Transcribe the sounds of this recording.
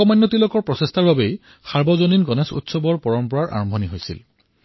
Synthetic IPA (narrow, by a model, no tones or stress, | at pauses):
ɔmanːɔtilokɔɹpɹɔsestʰaɹbabej | xaɹbɔzoninɡɔnesṵtsɔbɔɹpɔɹɔmpɔɹaɹʔa̰ɹɔmbʱɔniɦojsḭl